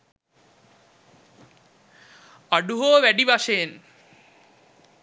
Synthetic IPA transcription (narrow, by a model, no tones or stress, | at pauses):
aɖuɦoːʋæɖiʋaʃejen